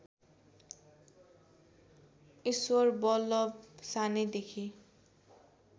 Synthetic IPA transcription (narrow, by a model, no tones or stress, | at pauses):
iswɔrbɔlʌbsaned̪ekʰi